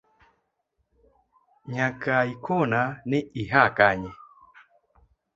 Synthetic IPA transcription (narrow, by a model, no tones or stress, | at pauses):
ɲakaikɔnanɪiɦakaɲɪ